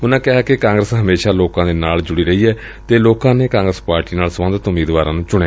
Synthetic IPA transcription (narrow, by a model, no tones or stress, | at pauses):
ʊnãːkɪɦaːkekãːŋɡɾəsɦəmeːʃaːloːkãːd̪eːnaːld͡ʒʊɽiːɾəɦiːɛː | t̪eːloːkãːneːkãːŋɡɾəspaːɾʈiːnaːlsəmə̃nd̪ət̪ʊmiːd̪ʋaːɾãːnũːt͡ʃʊɽeaː